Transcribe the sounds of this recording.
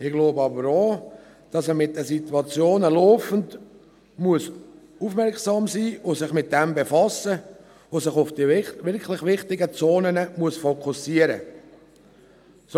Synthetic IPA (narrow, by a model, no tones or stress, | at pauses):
ɪɡ̥loːbəɑbəɾo | d̥ɑsəmɪt̚dɛsit̪wɑt͡sjoːnəloːfən̩d | muəs | ufmɛɾksɑːmsiːosɪχmɪt̚d̥ɛmbefɑsːə | osɪχʊfd̥iʋɪɾkʰlɪχʋɪχtɪɡət͡soːnənəmuəsfokʰusiəɾə̰ | s